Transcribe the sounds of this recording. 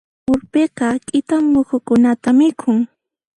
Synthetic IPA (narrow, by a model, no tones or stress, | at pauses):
ʊɾpeqɑkʼɪt̪amːʊkʊkʊnat̪amɪkʰʊŋ